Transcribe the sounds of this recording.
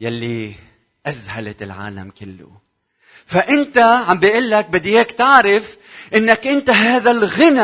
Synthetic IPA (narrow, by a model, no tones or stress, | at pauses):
jalːi | ʔazhalat̪ɪlʕa̰ːla̰mkɪlːʊ̰ | faʔɪnt̪aʕambiʔuːlːak̚bɪd̪ijeːkt̪ɪʕɾɪf | ʔɪnːakʔɪnt̪aɦaːðalɣɪna